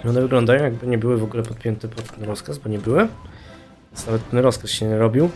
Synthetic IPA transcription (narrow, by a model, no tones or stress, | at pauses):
ɔnɛvɘɡlɔnd̪ajɔ̃w̃jaɡ̚bɘɲɛbɘwɘvɔɡulɛpɔt̪̚pʲjɛnt̪ɛpɔt̪ːɛnɾɔskazbɔɲɛbɘwɘ | vejnsnavɛt̪ːɛnɾɔskasɕɛɲɾɔbʲiw